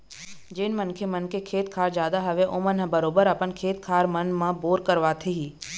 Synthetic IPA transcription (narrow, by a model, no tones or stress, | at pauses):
d͡ʒɪnmənkʰemənkʰekʰeːt̪̚kʰaːɾd͡ʒjaːd̪aɦɐʋeʔoːmənɦə̃bɐɾoːbəɾɐpənkʰeːt̪kʰaːɾmɐnmãboːɾkəɾʋaːt̪ʰeɦiː